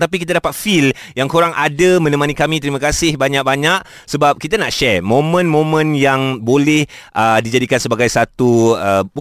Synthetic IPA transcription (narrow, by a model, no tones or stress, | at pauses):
t̪ap̬ikit̪adapat̪̚filjaŋkoɾaŋʔadəmə̃nə̃mãnikamĩt̪əɾiməkasɪhbaɲaʔ̚baɲaʔ̚ | səbap̚kit̪anaʔʃɛmõmə̃nmõmə̃njaŋbolɛhʔədid͡ʒadikansəbaɡajsat̪uəbu